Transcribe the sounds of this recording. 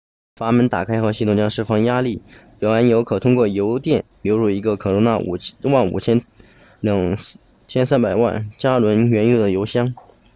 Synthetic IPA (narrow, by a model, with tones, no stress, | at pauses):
fa˧˥mə˧˥nt̪a̰˨˩kʰa˥ɪxɤ˧˥ɕi˥˩t̪ʊ˨˩ŋt͡ɕjɑ˥ʂɻ̩˥˩fɑ˥ŋja˥li˥˩pjɛ˨˩a˧˥njo˧˥ʊkʰɤ˨˩t̪ʰʊ˥ŋkwɔ˥˩jo˧˥ʊt̪jɛ˥˩nljo˧˥ʊɻu˥˩i˧˥ɡə˧kʰɤ˨˩ɻʊ˧˥ŋt̪a̰˥˩˨wa˥˩nṵ˨˩t͡ɕʰjɛ˥n | ljɑ˨˩ŋ | t͡ɕʰjɛ˥nsa˥npa˨˩ɪwa̰˥˩nt͡ɕja˥lwə˧˥nɥɛ˧˥njo˥ʊd̪ə˩jo˧˥ʊɕjɑ˥ŋ